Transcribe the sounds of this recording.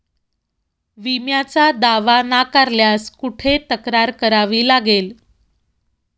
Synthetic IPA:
ʋimjat͡sad̪aʋanakaɾljaskuʈʰet̪əkɾaɾkəɾaʋiːlaɡel

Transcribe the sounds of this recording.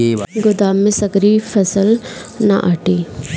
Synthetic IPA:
ɡʊd̪aːmːɪsɐɡɾifʰɐsəl | na̰ʔaʈi

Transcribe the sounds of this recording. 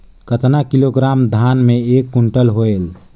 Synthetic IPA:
kət̪nakiloɡɾamd̪ʱanmeeːkːuɳʈəlɦoel

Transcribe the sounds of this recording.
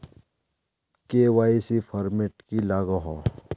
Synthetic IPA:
kewaːisifʰɐɾmeʈkilaːɡaɦo

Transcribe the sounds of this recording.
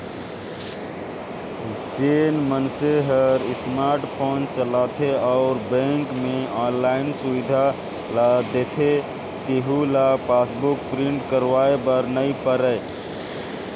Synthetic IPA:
t͡ʃenmənseɦəɾismaɾʈpʰont͡ʃəlat̪ʰeaʊɾbẽŋkmeɔnlainsuʋid̪ʱa | lad̪et̪ʰe | t̪iɦulapasbukpɾiɳʈkəɾʋaebəɾnəipəɾə

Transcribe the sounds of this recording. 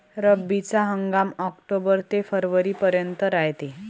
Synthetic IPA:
ɾəbit͡saɦəŋɡamɔkʈobəɾt̪efəɾʋəɾiːpəɾjənt̪əɾajt̪e

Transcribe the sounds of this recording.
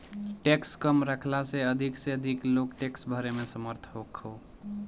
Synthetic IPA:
ʈekskəmɾəkʰlaseəd̪ʱikseəd̪ʱiklokʈeksbʱəɾemesəməɾt̪ʰɦokho

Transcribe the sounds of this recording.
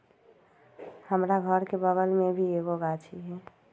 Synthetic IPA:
həmɾaɡʱəɾkebəɡəlmebʱieɡoɡat͡ʃʰiɦɛ

